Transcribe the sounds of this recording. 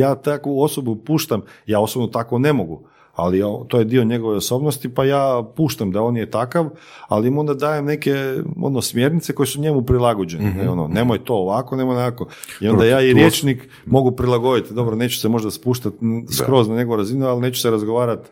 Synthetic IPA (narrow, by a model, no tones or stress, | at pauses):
jaːt̪akuo̞sobupuːʃt̪amjaːo̞sobnot̪akone̞mo̞ɡu | a̰liot̪o̞je̞d̪io̞ɲe̞ɡoʋeoso̞bnost̪ipajaːpuːʃt̪amd̪ao̞njet̪akaʋ | a̰limo̞nd̪ad̪aːjemne̞ke̞o̰nosmje̞ɾnit̪seko̞jesuɲe̞mupɾilˠaɡod͡ʑeneneono̰neːmojt̪o̞ːʋako̞ne̞mojnako̞ | io̞nd̪ajaːiɾjeːt͡ʃnik | mo̞ɡupɾilˠaɡo̞d̪it̪d̪o̞bɾone̞ːt͡ɕu̥semo̞ʒd̪aspuːʃt̪at̪skɾo̞znaɲe̞ɡo̞ʋoɾazinualne̞ːt͡ʃu̥seɾazɡo̞ʋaːɾat̪